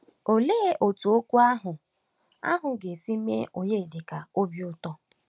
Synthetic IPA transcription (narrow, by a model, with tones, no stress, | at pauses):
o˨leː˦ʔo˨tu˨o˦kʷu˦a˦ɦʊ˨ | a̰˦ɦʊ˨ɡe˨si˦mḛ˦ʔo˨ɲe˦˨di˨ka˨o˦bjʊ˦tɔ˦